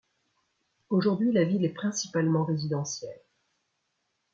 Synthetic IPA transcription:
oʒuʁd̪ɥilavilɛpχɛ̃si̥palmɑ̃ʁezid̪ɑ̃sjɛl

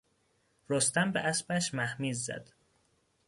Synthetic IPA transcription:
ɾost̪æmbeʔæsbæʃmæhmiːzːæ̰d̪̥

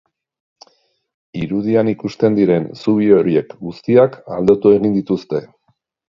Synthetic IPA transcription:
iɾuðianikust̪e̞nd̪iɾe̞nsuβ̞io̞ɾie̞kɡust̪iaka̰ld̪ot̪ue̞ɣind̪it̪ust̪e̞

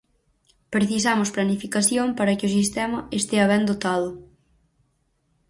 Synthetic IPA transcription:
pɾeθisamʊsplanifikaθjompaɾɐkɪʊs̬ist̪ɛmɐest̪eɐβɛnd̪ot̪aðʊ

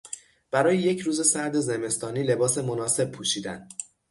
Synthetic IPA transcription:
b̥æɾɒːjeje̞cʰɾuːze̞sæɾd̪e̞ze̞me̞st̪ɒːniːle̞bɒːse̞mo̞nɒːse̞b̥̚pʰuːʃiːd̪æ̰n

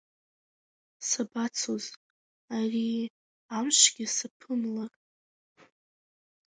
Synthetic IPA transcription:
sabat͡sʰoz | ari | amʃʷɡʲɪsapʰɨmlarʼ

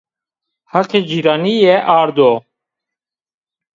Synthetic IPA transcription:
hɑqed͡ʒiːɾɑːnijɛʔɑːɾd̪o

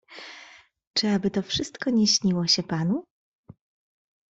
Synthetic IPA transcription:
t͡ʂɘabɘt̪ɔfʂɘst̪kɔɲɛɕɲiwɔɕɛpanu

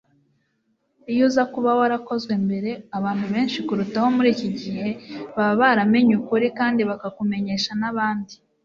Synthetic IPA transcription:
ijuːzakuβawaɾako̞zɡwe̞mbe̞ɾe̞aβaːn̥huβe̞ːnʃikuɾutaho̞muɾiːciɟihe̞βaβaβaɾame̞ɲukuɾikaːndiβakakume̞ɲe̞ʃanaβaːndi

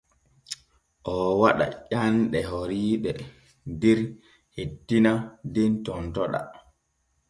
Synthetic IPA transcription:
ʔɔwaɗa̰ʄanɗɛɦoɾiːɓɛ | diɾ | hetːinadintɔntɔɗa̰

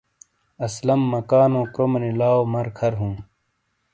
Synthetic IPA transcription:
ɐslɐmːɐkaːnõːkɾomɐnilaːomɐɾkʰɐɾɦũː

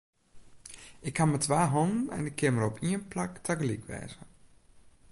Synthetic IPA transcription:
ɪkhamətʰʋaːɦɔnnɛ̰nɪkʰːɪməɾɔpʰiənplaktʰakəlikʋɛ̰ːz̥ə

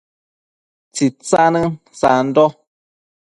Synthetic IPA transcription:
t͡sit͡sanə | sa̰n̩dɔ

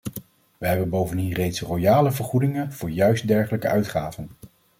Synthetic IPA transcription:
ʋəɦɛbənbowvəndinrejtsrojaːləvəɹχudɪŋənv̥ʊːɹjœɥstdɛɹχələkəœɥtχaːvən

